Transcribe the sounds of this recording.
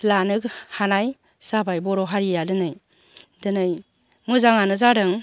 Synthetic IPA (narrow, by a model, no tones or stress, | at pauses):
lanɯkhanaj | sabajbɔɾɔɦaɾijadɯnɯj | dɯnɯj | mɯzaŋanɯzaɾɯŋ